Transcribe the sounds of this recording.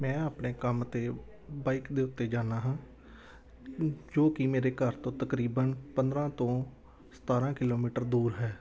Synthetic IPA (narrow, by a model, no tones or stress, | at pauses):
mɛ̃ːaːpneːkəmt̪eː | baːikd̪eːʊt̪ːeːd͡ʒaːnaːɦãː | d͡ʒoːkimeːɾeːkəɾt̪õːt̪əkɾiːbənpənd̪ɾãːt̪õː | sə̥t̪aːɾãːkɪloːmiːʈəɾd̪uːɾɦɛː